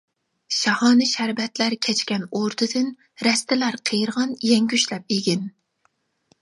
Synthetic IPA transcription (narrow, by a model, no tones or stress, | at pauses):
ʃɑhɑːnɨʃæɾbɛt̪læɾkʲʰɛt͡ʃkʲɛnoɾt̪ʰɨd̪ɨn | ɾɛst̪ɪlæɾqʰejɾʁɑnjɛŋɡʲyʃlɛp̚iɡʲɪn